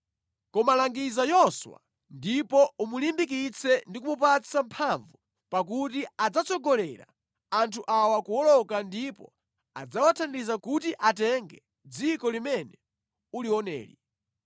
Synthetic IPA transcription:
kɔmalaŋɡizajɔswa̰ | ndipɔumulimbikit͡sʰɛndik̬umup̬at͡sʰampʰaɱvu | pakutiad͡zat͡sɔɡɔlɛɾa̰ | antʰuʔawakuɔlɔkandipɔ̰ | a̰d͡zawatʰandizakutiʔatɛŋɡɛ | d͡zikɔlimɛnɛ | uliwɔnɛ̰ːlḭ

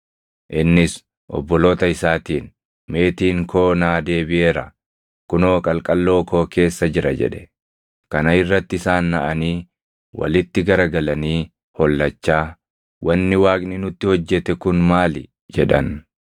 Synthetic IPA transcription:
ʔɪnːɪs | ʔɔ̰bːɔlo̞ːt̪ɐɪsaːt̪iːn | me̞ːt̪iːŋkʰo̞ːnaːd̪e̞ːbɪʔe̞ːɾɐ | kʊno̞ːkʼɐlkʼɐlːo̞ːkʰo̞ːke̞ːsːɐd͡ʒɪɾɐd͡ʒɛ̰ᶑɛ̥ | kɐnɐɪrːɐt̪ːɪsaːnːɐʔɐniː | wɐ̰lɪt̪ːɪɡɐɾɐɡɐlɐniː | hɔlːɐt͡ʃːaː | wɐnːɪwaːkʼnɪnʊt̪ːɪhɔd͡ʒːɛt̪ɛkʊnmaːlɪ | d͡ʒɛᶑɐn

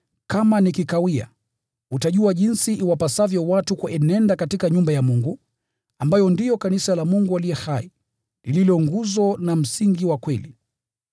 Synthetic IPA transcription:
kamanikikawia̰ | utaʄuaʄinsiʔiwapasavjɔwatukuɛnɛndakatikaɲumbajamuŋɡu | ambajɔndijɔkanisalamuŋɡualijɛhai | lililɔŋɡuzɔnam̩siŋɡiwakwɛli

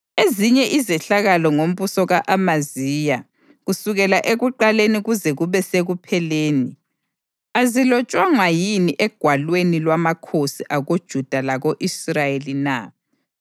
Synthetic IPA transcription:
eziɲɛʔizɛɬaɣalɔŋom̩βusɔɣaʔamazija | ɣusuɣɛlaʔeɣuǃaleniɣuzɛɣuβɛseɣupʰɛleːni | azilɔt͡ʃʼwaŋwajiniʔɛɡ̥ʱwalwenilwamakʰosiʔaɣod̥ʒ̥ʱud̥ʱalaɣoʔisrajelina

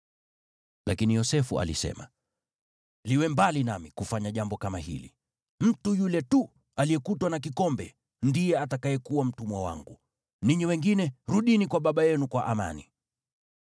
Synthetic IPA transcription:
lakinijɔsɛfṵa̰lḭsɛ̰ma̰ | liwɛmbalinamikufaɲaʄambɔkamahḭlḭ | m̩tujulɛtu | alijɛkutwanak̬ikɔmbɛ | ndijɛatakajɛkuwam̩tumwawa̰ŋɡu | niɲiwɛŋɡinɛɾuɗinikwaɓaɓajɛnukwaʔama̰nḭ

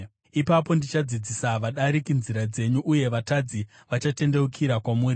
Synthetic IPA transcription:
ipapo̞ndit͡ʃad͡zid͡zisaʋaɗaɾikinziɾad͡ze̞ɲuʔːje̞ʋatad͡zi | ʋat͡ʃate̞nde̞ukʰiɾakwamuːri

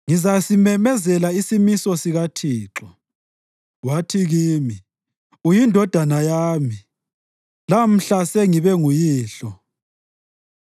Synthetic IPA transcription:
ŋizasimɛmɛzɛlaisimisɔsiɣatʰiːǁɔ | watʰiɣiːmi | ujindʱɔd̥ʱanajaːmi | lam̩ɬasɛŋiβɛŋujiːɬɔ

